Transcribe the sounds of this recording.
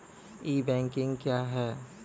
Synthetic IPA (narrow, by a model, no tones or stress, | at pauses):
iːbɛ̃ːŋkɪ̃ŋɡkjaːɦɛː